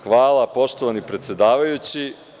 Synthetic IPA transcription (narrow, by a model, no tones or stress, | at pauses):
xʋaːlˠapo̞ʃt̪oʋanipɾet̪sjed̪aːʋajut͡ɕi